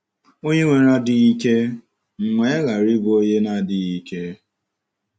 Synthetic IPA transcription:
o˦ɲe˦ŋʷe˨˦ɾa˦dɪ˨i˦ke˦ | ŋ͡m̩˨ŋe˨˦ɣa˨ɾi˦bo˦ɲe˦na˦˨dɪ˨i˦ke˦

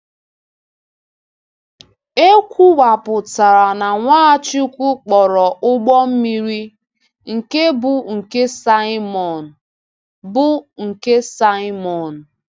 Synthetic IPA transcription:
e˦kʷu˦wa˨pʊ˨ta˨ɾa˨na˨ŋʷaː˦a˦t͡ʃɪ˦kʷu˦k͡pɔ˨ɾɔ˨ʔʊ˦ɡ͡bɔ˦m̩˦mi˦ɾi˦ | ŋ̩˨ke˦bʊ˨ŋ̩˨ke˦sa˦ɪ˦mɔ˨n˨ | bʊ˦ŋ̩˨ke˦sa˦ɪ˦mɔ˨n̩˨

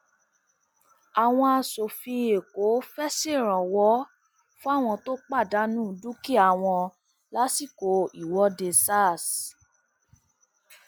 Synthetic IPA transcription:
a˨w̃ɔ̃˧a˧so˨fĩ˧e˨ko˨˦fɛ˦si˦˨ɾ̃ã˨wɔ˦ | fũ˦a˦˨w̃ɔ̃˧to˦k͡pa˦˨da˨˦nũ˦˨du˦ki˦a˦˨w̃ɔ̃˧ | la˦si˦˨ko˨˦i˨wɔ˧˦de˧sa˦˨s

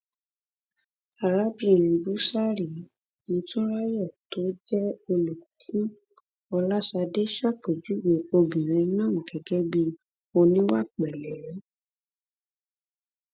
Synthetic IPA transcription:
a˨ɾa˦bi˧˦˨ɾ̃ĩ˧bu˨˦sa˦ɾi˨ | nĩ˨˦tũ˦ɾa˦jɔ˦˨to˨˦d͡ʒɛ˦o˧lo˨kʰĩ˦ | ɔ˧la˦sa˧de˦ʃa˦˨k͡po˨d͡ʒu˨˦we˨o˧bĩ˨ɾ̃ĩ˧nãː˦˨ŋ̩˨ɡɛ˨ɡɛ˦bi˧ | o˧nĩ˦wa˦˨k͡pɛ˨lɛ˨˦

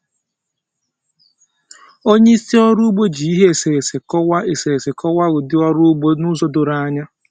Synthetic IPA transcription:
o˦ɲe˦i˦si˦ɔ˦ɾu˦ɡ͡bo˦d͡ʒi˨i˦ɦe˦e˨se˨ɾe˨se˨kɔ˦wa˦e˨se˨ɾe˨se˨kʰɔ˦wa˦ɡʊ˨dɪ˦ɔ˦ɾu˦ɡ͡bo˦nu˦zɔ˦dʊ˨ɾa˦a˦ɲa˦

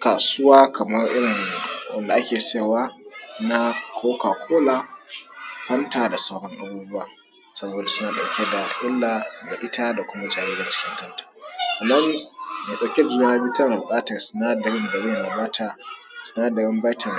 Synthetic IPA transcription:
kaː˨sʊ˦waː˦kʰɐ˨mɐ˦rʔɪ˦ɾɪ˨ŋwɐ̰˦nda˨ʔa˦kʲeː˨se˦˨waː˦na˦kʰʷoː˦ka˨kʷʰoː˦laː˦ | ɸɐ˦ntaː˨da˨saː˦hɔ˦ŋʔa̰˨buː˦bʊ˦waː˨ | sɐ˦boː˨da˨sʊ˦naː˨ɗa˨wkʲe˦da˨ʔɪ˦lːa˨ɡa˨ʔɪ˦tʰaː˦da˨kʷʊ˦ma˦d͡ʒaː˨ɾe˦ɡa˨t͡ʃɪ̥˦kʲɪ˦ŋkɐ˦ntḁ˨ʔa˨nːa˦ni˦me˨ɗa˨kʲe˦da˨d͡ʒʊ˦a˦na˦bi˦tɐ˦˨bʊ˨kʼaː˦tɐ˨rsɪ˨naː˦dɐ˨ɾɪ˦ndɐ˨ɽɪ˦nːa˨ba˦tʰa˨ | sɪ˨naː˦dɐ˨ɾɪ˦mba˦tʰɐ˨n

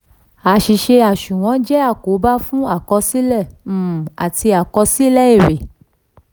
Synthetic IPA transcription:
a˨ʃi˨ʃe˧a˨ʃũ˨w̃ɔ̃˨˦d͡ʒɛ˦a˦˨ko˨˦ba˦fũ˦a˦˨kɔ˧si˦lɛ˦˨˦a̰˨ti˧a˨kɔ˧si˦lɛ˦i˦˨ɾe˨

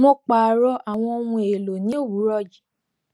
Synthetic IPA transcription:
mɔ̃˦k͡pa˨ɾɔ˧˦ʔa˨w̃ɔ̃˧o˧wũ˧e˨lo˨nĩ˨˦o˦˨wu˨˦ɾɔ˦˨d͡ʒi˨

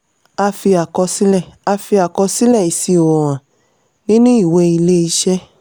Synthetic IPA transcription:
a˧fi˧a˨kɔ˧si˦lɛ˦˨a˧fi˧a˨kɔ˧si˦lɛ˦˨i˨si˧o˨wɔ˨w̃ã˨ | nĩ˦nĩ˦i˦˨we˧i˧le˦i˧˦ʃɛ˦

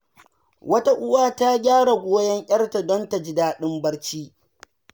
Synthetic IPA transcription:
wɐ˦ta˦ʔʊ˦waː˦ta˦ɡʲaː˦ɽa˨ɡʷoː˦jɛ˦ŋʔʲɐ˦rta˨dɔ˦nta˨d͡ʒɪ˦daː˦ɗɪ˦mbɐ˦rt͡ʃiː˦

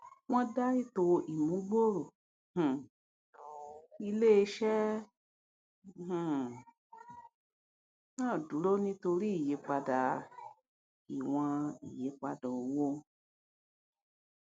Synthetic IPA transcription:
w̃ɔ̃˦da˦i˦to˧ʔi˨mũ˨˦ɡ͡bo˦ɾo˨ | h̩˨ | i˧le˦e˧ʃɛ˦˨ | nãː˦˨du˨˦ɾo˦nĩ˧to˧ɾi˦i˦˨je˨˦k͡pa˧da˨ | i˨w̃ã˧ḭ˨je˨˦k͡pa˧dɔ̃˨o˨wo˦

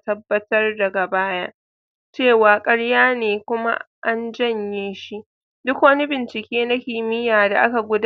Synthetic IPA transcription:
tɐ˦bːɐ˦tɐ˦rda˨ɡa˨baː˦ja˦ | t͡ʃeː˦˨waː˨kʼɐ˦ɽjaː˦neː˨kʷʊ˦ma̰˦ | ʔa˦nd͡ʒɐ˦˨ɲjeː˦ʃi˦ʔ | dʊ˦kwɐ˦ni˦bɪ˨nt͡ʃɪ˨kʲeː˦na˦kʲi˨mɪ˦jaː˨da̰˨ʔa˦ka˨ɡʷʊ˦d

